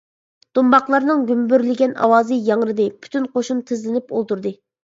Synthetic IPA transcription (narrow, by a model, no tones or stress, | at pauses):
d̪̥umbɑqlˠɑɾnɨŋɡʲymbyɾlɪɡʲɛnɑ̰wɑːzɨjɑŋɾɨd̪ɨpʰy̥t̪ynqoʃunt̪ʰɪzlɪnɪpolˠt̪uɾd̪ɨ